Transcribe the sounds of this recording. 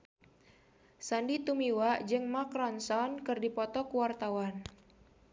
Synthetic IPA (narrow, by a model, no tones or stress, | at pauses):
sandit̪umiwad͡ʒɨŋmakɾɔnsɔnkɨrdipɔt̪ɔkuwart̪awan